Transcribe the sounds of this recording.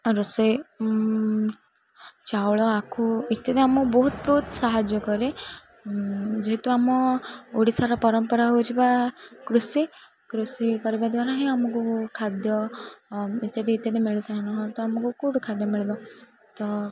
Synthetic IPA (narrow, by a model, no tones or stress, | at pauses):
ɾɔse | t͡ʃawɭɔakʰuit̪jat̪iamɔbɔɦut̪bɔɦut̪saɦad͡ʒjɔkɔɾe | d͡ʒeɦet̪uamɔoɽisaɾɔpɔɾɔmpɔɾaɦot͡ʃʰibakɾusi | kɾusikɔɾibad̪waɾaɦĩamɔkukʰad̪jɔ | it̪jat̪iːt̪jat̪imeɭisaɦãnɔɦɔ̃t̪ɔamɔkukuɽukʰad̪jɔmiɭibɔ | t̪ɔ